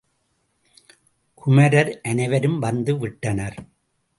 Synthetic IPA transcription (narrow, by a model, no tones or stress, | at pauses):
kʰʊmɐɾɐɾʔɐnɐɪʋɐɾɯmʋɐnd̪ɯʋɪʈːɐnɐɾ